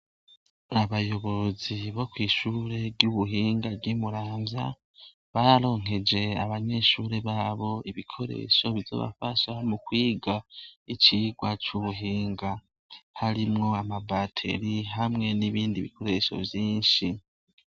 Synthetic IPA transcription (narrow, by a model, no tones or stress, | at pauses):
aβajo̞βo̞ziβo̞kwiːʃuːɾe̞ɾjuβuɦiːŋɡavɡimuɾaːnza̰ | βaɾaɾo̞ːŋ̥e̞d͡ʒe̞aβaɲe̞ːʃuːɾe̞βaːβo̞iβikʰo̞ɾḛʃo̞βizo̞̰βa̰faʃamukwiːɡait͡ʃiːɡwat͡ʃuβuɦiːŋɡa | haɾimŋo̞amabatʰe̞̰ɾiɦamŋe̞niβiːndiβikʰo̞ɾe̞ʃo̞̰vjiːnʃi